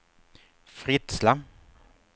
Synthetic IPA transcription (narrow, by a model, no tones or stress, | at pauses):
fɾɪt̪sla